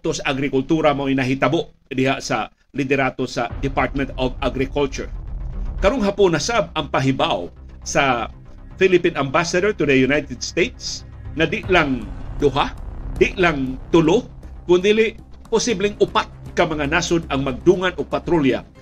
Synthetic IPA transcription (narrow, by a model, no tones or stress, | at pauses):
t̪osaʔaɡɾɪkʊlt̪uːɾamoʔjnɐɦɪt̪ɐboʔd̪ɪɦaʔsa | lɪd̪ɛɾat̪osad̪ɪpaɹt̪̚mɛnt̪ovaɡɾɪkʊlt͡ʃʊ̰ɹkɐɾoŋɦapʊnasab̚ɐŋpaɦɪbaw | sa | filɪpinambasad̪oɹt̪ʊd̪ɐjʊnajt̪ɛd̪st̪ejt̪̚s | ŋad̪ɪʔlaŋd̪ʊɦad̪ɪʔlaŋt̪ʊlohkʊnd̪iːlɪʔ | pʊsiblɪŋʊpat̪̚kɐmɐŋanasod̪ɐŋmaɡ̚d̪uːŋanʔoɡ̚pat̪ɾolja̰